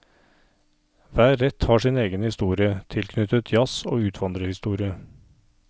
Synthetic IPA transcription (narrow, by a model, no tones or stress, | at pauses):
ʋæːɾɛt̪hɑːʂiːneːɡənhɪst̪uːɾɪət̪ʰɪlkʰnʏt̪ət̪ʰjɑsoːʉːt̪ʰʋɑnd̪ɾəhɪst̪uːɾɪə